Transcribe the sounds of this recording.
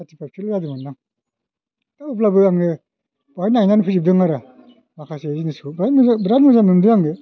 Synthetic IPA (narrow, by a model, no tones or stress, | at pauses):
atipap̚kʰiljadɯmanːaŋ | taup̬labɯaŋɡɯ | bahajnajnanpʰizib̚dɯŋaɾa | makʰaseaziniskubɾatmabɾatmɯzamɯmdɯaŋɡɯ